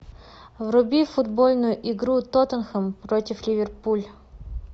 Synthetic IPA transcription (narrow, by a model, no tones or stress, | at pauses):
vrʊbʲifʊd̪bolʲnʊjʊʔɪɡɾut̪ot̪ənxəmpɾotʲɪflʲɪvʲɪrpulʲ